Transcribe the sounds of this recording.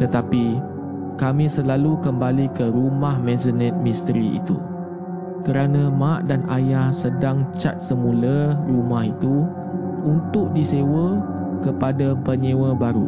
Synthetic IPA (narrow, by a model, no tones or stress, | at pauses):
t̪ət̪api | kamĩsəlalukəmbalikəɾumahmɛ̃zənɛ̃t̪̚mist̪əɾḭːt̪ṵ | kəɾanə̃maʔdanʔajahsədaŋt͡ʃa̰t̪̚səmũlərumaɦit̪u | unt̪ʊʔ̚disewə | kəpadapəɲewəbaɾṵ